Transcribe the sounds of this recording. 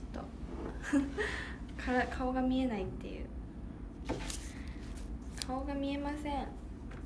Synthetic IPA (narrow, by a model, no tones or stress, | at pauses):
t̪o̰ | kʰaɾakʰaoɡamʲie̞nait̪ːe̞̰jɯ̰ː | kʰaoɡamʲie̞masẽɴ